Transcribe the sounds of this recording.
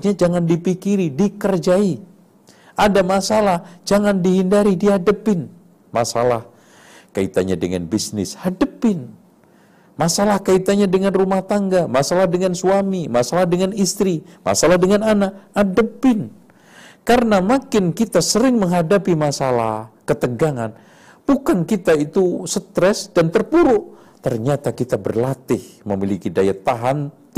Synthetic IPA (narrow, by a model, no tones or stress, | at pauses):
ɲad͡ʒaŋandipikiɾidikərd͡ʒai | ʔadamasalahd͡ʒaŋandiɦindaɾidiadəpɪn | ma̰sa̰lah | kaḭt̪a̰ɲa̰də̰ŋa̰nbisnɪ̰shadəpɪn | masalahkait̪aɲadəŋanrumaht̪aŋɡamasalahdəŋansuamimasalahdəŋanist̪ɾima̰salahdəŋananaʔadəpɪn | karənamakɪnkit̪asəɾɪŋməŋɦadapimasala̰hkət̪əɡaŋan | b̥ukankit̪ait̪usət̪ɾɛsdant̪ərpuɾʊʔ | t̪ərɲat̪akit̪abərlat̪ɪhməmilikidajat̪aɦan